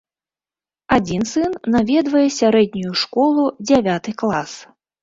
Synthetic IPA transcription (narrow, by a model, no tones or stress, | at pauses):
ad͡zʲinsɨnːavʲɛd̪vɐjɛsʲaɾɛd̪̚ʲnʲujuʂkɔlˠud͡zʲavʲat̪ɨklˠas